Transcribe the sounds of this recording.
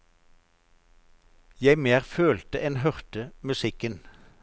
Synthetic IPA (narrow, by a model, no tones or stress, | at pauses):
jæɪmeːʁføːlt̪əʔɛnhœʁt̪əmʉsɪkən